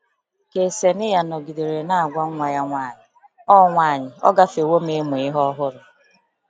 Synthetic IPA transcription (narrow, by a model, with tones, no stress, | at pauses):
ke˨se˨nɪ˦ja˨nɔ˨ɡi˨de˨ɾe˨na˦a˨ɡʷa˦ŋ̩˦ŋʷa˨ja˦ŋʷaː˦˨ɲɪ˨ | ɔ˦ŋʷaː˦˨ɲɪ˨ɔ̰˦ɡa˦fe˨wo˦me˦me˨ɪ˦ɦɔ˦ɦʊ˦ɾʊ˨